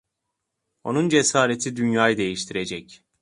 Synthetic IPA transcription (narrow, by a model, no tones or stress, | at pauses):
o̞nund͡ʒe̞saːɾet̪ʰid̪ynjaːjɯd̪e̞jiʃt̪ʰiɾe̞d͡ʒɛc